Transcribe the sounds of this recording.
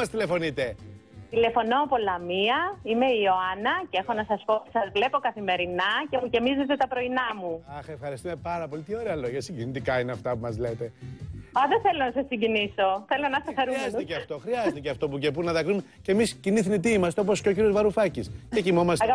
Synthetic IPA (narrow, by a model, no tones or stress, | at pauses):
ɐst̪ilefo̞nit̪e | t̪ile̞fo̞noːpo̞lɐmiɐime̞io̞ɐnɐcee̞xo̞nɐsɐsposɐzvle̞po̞kɐθime̞ɾinɐce̞mucemizet̪et̪ɐpɾo̞inɐmuɐxe̞fxɐɾist̪ume̞pɐɾɐpo̞lit̪io̞ɾeɐlo̞ʝɐsiɲɟinit̪ikɐineɐft̪ɐpumɐzle̞t̪e̞ɐðeθe̞lo̞nɐsɐsiɲɟiniso̞θe̞lonɐst̪ɐxɐɾumest̪eceɐft̪o̞xɾiɐzt̪eceɐft̪o̞pucepunnɐðɐkɾumecemisciniθnit̪̬iimɐst̪eoposceo̞c̬iɾiozvɐɾufɐciscecimo̞mɐstɐɐ